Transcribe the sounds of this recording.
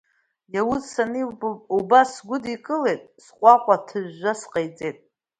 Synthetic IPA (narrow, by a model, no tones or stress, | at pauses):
jawʊzsaniubasɡʷʊdikʼɨlejtʼsqʷʼaqʷʼatʰɨʒːasqʼejt͡sʼejtʼ